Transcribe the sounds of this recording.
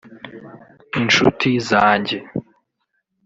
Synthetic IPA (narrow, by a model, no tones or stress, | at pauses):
inʃṵtʰizaːɲɟe